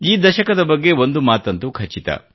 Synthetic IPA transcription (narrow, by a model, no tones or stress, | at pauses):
iːd̪ɐʃɐkɐd̪ɐbɐɡːe̞o̞nd̪umaːt̪ɐnt̪ukʰɐt͡ʃit̪ɐ̰